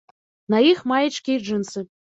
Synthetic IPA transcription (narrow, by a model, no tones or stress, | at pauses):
naixmajət͡ʃkʲiʐɨnsɨ